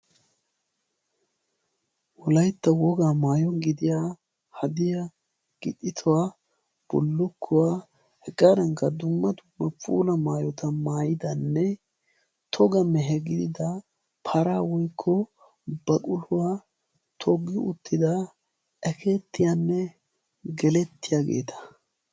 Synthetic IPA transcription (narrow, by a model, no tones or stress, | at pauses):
wɔlɐjt̪ːɐwɔɡaːmaːjɔɡɪd̪ɪjaː | hɐd̪ɪja | ɡ̥ɪt̪ʼːɪt̪ʰʊwaː | b̥ɔlːʊkʰːʊwaː | hɛɡaɾɐŋkːɐd̪ʊmːɐd̪ʊmːɐpʼṵːlɐmaːjɔt̪ɐmaːjɪd̪ɐnːɛ | t̪ʰɔɡɐmɛɦɛɡɪd̪ɪd̪ɐ | pʰɐɾaːwɔjkʰːɔ | bɐkʼʊlʊwaː | t̪ʰɔɡːɪʔʊ̰t̪ːɪd̪ɐ | ʔɛkʰeːt̪ːɪjanːɛ | ɡɛlɛt̪ːɪjaːɡe̞̰ːt̪ʰɐ̥